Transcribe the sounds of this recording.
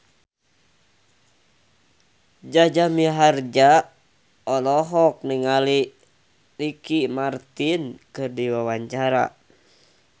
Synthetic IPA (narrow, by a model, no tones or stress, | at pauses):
d͡ʒad͡ʒamiɦard͡ʒa | ɔlɔɦɔk̚niŋali | likimart̪inkɨrdiwawaɲt͡ʃaɾa̰